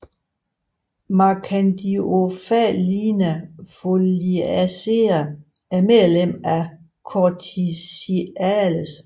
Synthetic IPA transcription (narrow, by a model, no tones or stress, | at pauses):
mɑkʰænd̥iofælinæfoliæseɐ | æɐmeðˠlem̰æ | kʰɒt͡sʰisiæləs